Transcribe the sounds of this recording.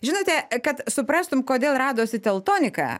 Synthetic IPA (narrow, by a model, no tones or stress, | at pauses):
ʒʲɪnoːt̪ʲɛkɐt̪sʊpɾɑːst̪ʊmkoːd̪ʲeːlˠrɑːd̪oːsʲɪt̪ʲɛlˠt̪oːnʲɪkɑ̰ː